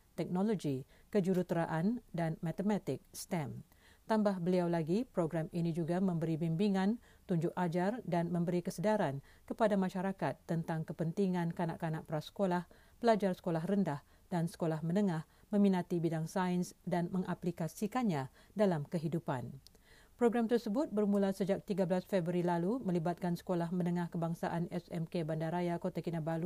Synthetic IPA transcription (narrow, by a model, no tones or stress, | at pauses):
t̪ɛk̚noloɡi | kəd͡ʒuɾut̪əɾaʔandanmãt̪əmat̪ɪk̚st̪ɛm | t̪ambahbəliawlaɡipɾoɡɾaminĩd͡ʒuɡamə̃mbəɾibimbiŋãn | t̪uɲd͡ʒʊʔad͡ʒardanmə̃mbəɾikəsədaɾan | kəpadamãʃaɾakat̪ːənt̪aŋkəpənt̪iŋãnkana̰ʔkanaʔpɾasə̥kolah | pəlad͡ʒarsə̥kolaɦrəndah | dansə̥kolahmə̃nəŋãh | mə̃mĩnat̪ibidaŋsainsdanmə̃ŋʔaplikasikanɲã | dalamkəɦidupa̰n | pɾoɡɾamt̪ərsəbʊt̪̚bərmũlasəd͡ʒak̚t̪iɡablasfɛbɾilalumə̃libat̪̚kansə̥kolahmə̃nəŋãhkəbaŋsaʔanɛsɛmkebandaɾajakot̪akinabalu